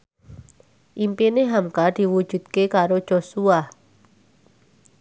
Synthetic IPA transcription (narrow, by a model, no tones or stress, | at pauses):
ʔimpineɦamkad̪̥i̤wu̥ʒ̥ṳd̪̚kekaɾod̥ʒ̥osua